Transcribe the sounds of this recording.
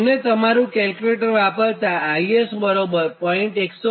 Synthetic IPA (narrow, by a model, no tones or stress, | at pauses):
net̪əmaɾũkɛlkjuleʈəɾʋapəɾt̪aːiesbəɾobəɾpɔ̃iɳʈekso